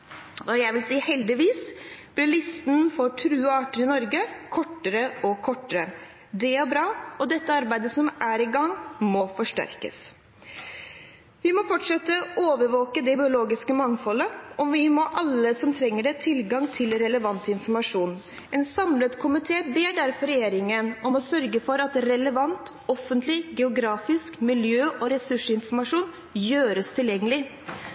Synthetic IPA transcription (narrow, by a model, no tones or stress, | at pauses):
ɔjæɪʋɪlsiːhɛld̪ɪʋiːsb̥lɪɭɪst̪nfɔʈʰɾʉːɑːʈəɾɪnɔɾɡəkʰɔʈːəɾəʔɔkʰɔʈːəɾə | d̪ɛæɾbɾɑːɔd̪ɛt̪ːəɑɾbæɪd̪əsɔmæɾɪɡɑŋːmɔfɔʂʈæ̰ɾkə̰s | ʋɪmɔfɔʈʂɛt̪ːəoːʋəɾʋoːkəd̪ɛbɪʊloːɡɪskəmɑŋfɔləɔʋɪmɔʔɑlːəsɔmt̪ʰɾɛŋːəɖɛt̪ʰɪlɡɑŋt̪ʰɪlɾɛləʋɑnt̪ɪnfɔɾmɑʂuːn | ʔɛnsɑmlət̪kʰʊmɪt̪ʰeːbeːɖæɾfɔɾɛjeːɾɪŋənɔmɔsœɾɡəfɔɾɑt̪ɾɛləʋɑnt̪ | ɔfənt̪lɪɡɛʊɡɾɑːfɪskmɪljøːʔɔɾɛsʉʂəɪnfɔɾmɑʂuːn | jøːɾəst̪ʰɪljɛŋːəlɪ